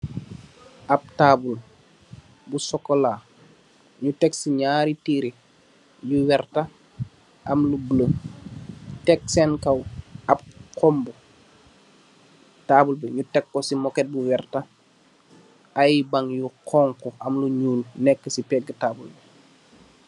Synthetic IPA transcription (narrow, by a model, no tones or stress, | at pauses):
ʔɐp̚taːbul | busɔkːɔla | ɲutɛksiɲaːɾitiːɾi | juwɛrta | ʔɐmlublə | tɛk̚sɛnkɐwɐb̚kʰɔmbu | taːbulbɛɲutɛkːɔsimɔkɛt̚buwɛrta | ʔajibaŋjuqʰɔːŋkɔʔɐmluɲuːlnɛkːəsipɛɡːətaːbulb